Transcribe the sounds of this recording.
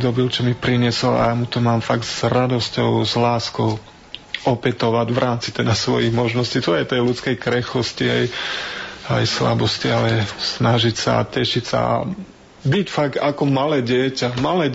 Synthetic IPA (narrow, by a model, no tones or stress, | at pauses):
d̪ɔbilt͡ʃɔmipɾiɲɪɛsɔla̰jaːmut̪ɔmaːmfaɡz̥ɾad̪ɔscɔʊzlaːskɔʊ | ɔpɛt̪ɔʋaɟʋɾʔaːmt͡sit̪ɛd̪asʋɔjiɣmɔʒnɔscit̪ɔjɛt̪ɛjlut͡skɛjkɾɛxɔsciɦɛj | ajsla̰bɔscialɛsnaʒicsa̰ːcɛʃicsa̰a̰ | bicfaɡakɔmalɛːɟɪɛcamalɛː